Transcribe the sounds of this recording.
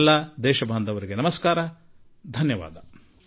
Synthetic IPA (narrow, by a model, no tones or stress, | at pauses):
lːad̪ɛːʃɐbʱaːnd̪ʱɐʋɐɾiɡenɐmɐskaːɾɐ | d̪ʱɐnjɐʋa̰ːd̪ɐ